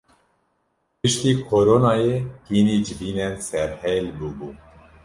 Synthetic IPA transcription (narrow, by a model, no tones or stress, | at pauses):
pɨʃt̪iːkʰoɾonɑːjehiːniːd͡ʒɨbiːnɛnsɛɾhɛlbubuː